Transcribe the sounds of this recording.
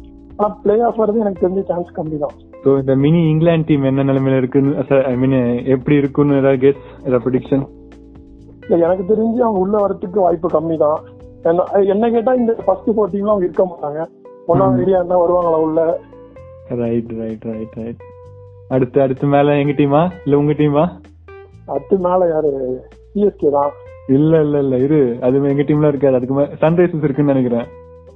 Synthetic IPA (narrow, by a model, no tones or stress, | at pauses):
aːnãːpɪɭeːaːfʋɐɾɐðɯɛnɐkːɯt̪ɛɾɪɲd͡ʒɐʈaːnskɐmːit̪ãː | soːɪnd̪ɐmɪniɪŋɡlaːɳɖ̚ʈiːmɛnːɐnɛlɐmeːlɪɾɯkːɯnːɯsɐɾɐɪmĩːnɛpːɐɽiɪɾɯkːɯnːɯ̃ɛðaːɡɛs | ɾɛpɾɐɽɪkʂɐn | ɪlːɐɛnɐkːɯt̪̬ɛɾɪɲd͡ʒɯɐʋɐŋɡɐʊɭːɐʋɐɾɐt̪ːɯk̬ːɯʋaːjɪpːɯkɐmːit̪ãː | ɛnːa̰ɛnːɐkeːʈːãːɪnd̪ɐfɐsʈifoːɾʈ̬iːmlaːɐʋɐŋɡɐɪɾɯkːɐmaːʈːãːŋɡɐ | ɔnːaːɐɪɽɪjaːnːãʋɐɾɯʋaːŋɡɐlãːʊlːɐ | ɾɐɪʈɾɐɪʈɾɐɪʈɾɐɪʈ̚ | ɐɽɯt̪ːɯɐɽɯt̪ːɯmeːlɐ̃ɛŋɡɐʈːiːmaːɪlːɐʊŋɡɐʈiːmaː | ɐt̪ːɯmeːlɐjaːɾɯ | piːɛskeːt̪ãːɪlːɐɪlːɐɪlːɐɪðɯɐðɯɛŋɡɐʈːiːmlãːɪɾɯkːaːðɯɐðɯkːɯmeːsɐnɾɐɪsɛsɪɾɯkːɯnnɐnɛk̬ʲːɪɾẽː